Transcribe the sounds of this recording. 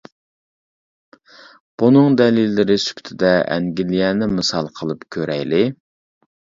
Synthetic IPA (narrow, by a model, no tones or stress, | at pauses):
b̥unɨŋd̪ɛlilːɪɾɪsy̥pt̪ʰɪd̪ɛɛ̰ŋɡʲilijɛːnɪmɨsɑlˠqʰəlˠɨpkʲʰøɾɛjlɪ